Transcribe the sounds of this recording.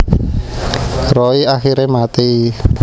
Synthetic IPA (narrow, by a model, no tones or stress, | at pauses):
rɔiaxiɾemat̪i